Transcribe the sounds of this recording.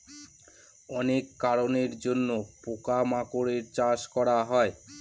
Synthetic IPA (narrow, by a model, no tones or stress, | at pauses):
ɔnekːaɾoneɾd͡ʑonːopokamakoɾeɾt͡ɕaʃkɔɾaɦɔe